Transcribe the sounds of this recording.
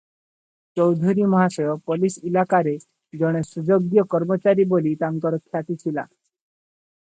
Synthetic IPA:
t͡ʃɔwd̪ʱuɾimɔɦasɔjɔpɔlisilakaɾe | d͡ʒɔɽ̃esud͡ʒoɡdjɔkɔɾmɔt͡ʃaɾibolit̪aŋkɔɾɔkʰjat̪it͡ʃʰila̰

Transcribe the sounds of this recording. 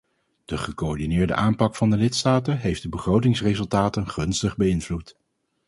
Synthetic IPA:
d̥əχəkoɔɹdinɪːɹdə̰ʔaːmpɑkfɑndəlɪtstaːtəɦejfdəbəχrowtɪŋsrezɵlˠtaːtənχɵnstəχbəɪnvlut

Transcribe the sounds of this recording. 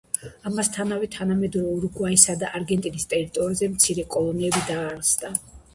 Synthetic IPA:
amast̪ʰanavɛt̪ʰanamɛd̪ɾɔuɾuɡwaisad̪aʔaɾɡɛnt̪ʼinist̪ʼɛɾit̪ʼɔɾizɛmt̪sʰiɾɛkʼɔlˠɔnɛɛbid̪aːɾsd̪a

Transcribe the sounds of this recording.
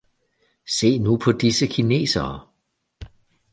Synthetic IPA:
se̝̰ːnupʰɒ̽d̥isəkʰine̝̰ːsɐː

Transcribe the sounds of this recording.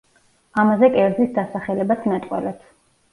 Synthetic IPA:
amazɛkʼɛɾzisd̪asaχɛlɛbat̪ʰnat̪ʼqʼwɛ̰lɛt̪sʰ

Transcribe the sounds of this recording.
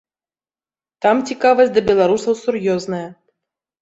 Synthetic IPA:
t̪ɑmtʲikɑvɐsʲt̚ʲd̪ɐbʲɛlˠaɾusəwsurjoznɐjə

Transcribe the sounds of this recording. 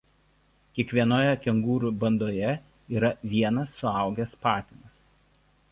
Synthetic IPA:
kʲiɛkʋʲiɛnoːjɛkʲɛŋɡuːɾuːˑbɐnd̪oːjɛ | iːɾɐʋʲiɛnɐsːʊɐˑʊɡʲɛspɑːt̪ʲɪnɐs

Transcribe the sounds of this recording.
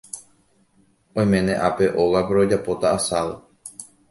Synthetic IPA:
õ̞j̃mẽnẽ̞ʔape̞ʔo̞ɣapeɾo̞d͡ʒapo̞t̪aːsaʋɨ

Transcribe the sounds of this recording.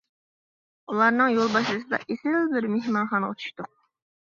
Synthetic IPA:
ulˠɑɾnɨŋjolˠbɑʃlˠɨsɨd̪ɑ̰ʔesɪlbɪɾmehmɑnχɑnəʁə̰t͡ʃʰu̥ʃt̪ʊq̚

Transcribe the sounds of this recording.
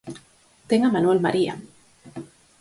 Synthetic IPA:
t̪eŋamanwelmaɾia̰

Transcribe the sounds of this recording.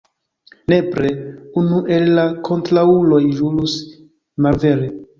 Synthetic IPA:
nepɾeunuʔe̞lːakʰo̞ntɾaulo̞jɾulus | malve̞ɾe

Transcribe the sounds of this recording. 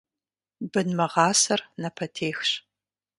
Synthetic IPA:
bɨnmɐʁɑːsɐrnɐpʰɐtʰeːxɕ

